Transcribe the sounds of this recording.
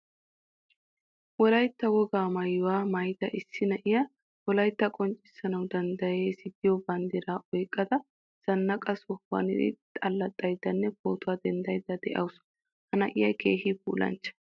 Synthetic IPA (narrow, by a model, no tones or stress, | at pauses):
wɔlɐjt̪ːɐɡɔɡaːmɐjːʊwaːmɐjt̪ɐʔɪsːɪnɐʔɪjɐ | wɔlɐjt̪ːɐkʼɔnt͡ʃʼːɪ̥sːɐnɐwd̪ɐnd̪ɐjeːsɪd̪ɪjɔbɐnd̪ɪɾaːʔɔjkʼːɐd̪ɐ | z̥ɐnːɐkʼɐsɔwɐ̰nɪdɪ̰t̪ʼɐlːɐt̪ʼːɐjd̪ːɐnːɛpoːt̪ʊwaːd̪ɛnd̪ɐjd̪ːɐd̪ɛʔɐwʊs | hɐnɐʔɪjɐjkḛːhibṵːlɐ̰nt͡ʃːɐ̥